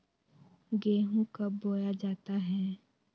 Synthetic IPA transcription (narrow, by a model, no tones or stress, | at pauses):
ɡeːɦũkəboːjad͡ʒaːt̪aɦɛ